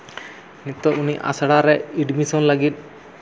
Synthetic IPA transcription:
nit̪ɔʔuniʔa̰saɽaɾɛiɖmisɔnləɡit̪̚

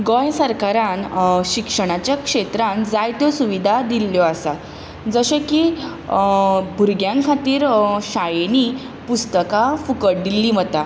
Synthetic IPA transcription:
ɡɔ̃jsəɾkaɾãnɕikʂəɽ̃at͡ɕjakʂet̪ɾãnd͡zajt̪jɔsuʋid̪ʱad̪ilːjɔasat̪ | d͡zəɕeki | bʱuɾɡjãŋkʰat̪iːɾɕajeni | pust̪əkafukəʈ̚d̪ilːiːm̤ət̪a

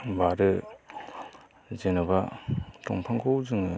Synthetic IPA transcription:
baɾɯ | zenɯbatɔŋpʰaŋkʰowzɯŋɯ

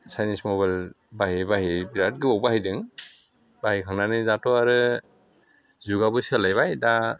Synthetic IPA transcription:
sajnismɔβal | baɦibaɦibiɾat̚ɡɯbɔbaɦidɯŋ | baɦikʰaŋnanɯzatɔaɾɯ | zuɡabɔjsɛlajβajda

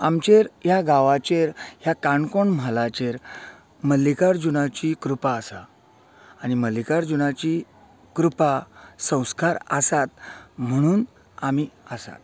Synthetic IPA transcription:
amt͡ɕeɾjaɡaʋat͡ɕeɾɦjakaɳkoɳm̤alat͡ɕeɾ | məlːikaɾd͡ʑuɽ̃at͡ɕikɾupaəsa | añiməlːikaɾd͡ʑunat͡ɕi | kɾupasə̃w̃skaɾəsat̪̚m̤əɽ̃uːn | amiːəsa̰t̪̚

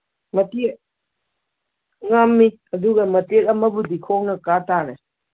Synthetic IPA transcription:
mɐtek̚ | ŋamːi | ɐduɡɐmɐtekɐmɐbudikʰok̚nɐkatanɐ

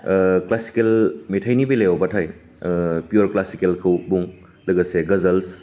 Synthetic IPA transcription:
klasi̥kelmetʰajnibelejawbɐtʰaj | pijuɾklasikelkʰɐwbuŋ | lɐɡɐseɡɐzɐls

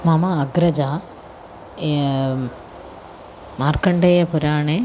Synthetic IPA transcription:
mamaɐɡɾɐd͡ʒaː | maːɾkɐɳɖeːjɐpʊɾaːɳe

